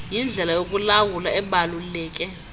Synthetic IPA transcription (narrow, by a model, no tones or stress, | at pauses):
jind͡ɮʱɛlajokʼulawulaɛɓalulɛːk̬ʼɛ